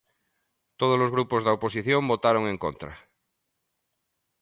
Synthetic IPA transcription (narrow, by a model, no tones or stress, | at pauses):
t̪oð̞ozlozɣɾupozðaoposiθjombot̪aɾoŋẽŋko̰nt̪ɾa̰